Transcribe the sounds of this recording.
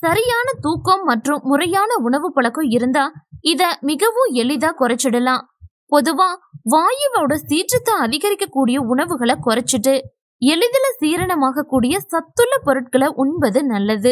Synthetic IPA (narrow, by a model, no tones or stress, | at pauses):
sɐɾɪjaːnɐt̪uːkːɐmːɐʈrɯmːʊrɐjaːnɐʊɳɐʋɯpɐɭɐkːɔ̃ɪɾɯnd̪aːɪðɐmɪɣɐʋɯ̃ɛlɪðaːkɔɾɐt͡ʃːɪɽɐlãː | pɔðɯʋãːʋaːjɪʋɐɽɐsiːʈrɐt̪ːɐɐðɪɣɐɾɪkːɐkːuːɽɪjɐʊɳɐʋɯɣɐɭɐkɔrɐt͡ʃːɯʈːɯ | ɛlɪðɪlɐsiːɾɐɳɐmaːɣɐkːuːɽɪjɐsɐt̪ːɯlːɐpɔɾɯʈ̚kɐɭɐʔʊɳbɐðɯnɐlːɐðɯ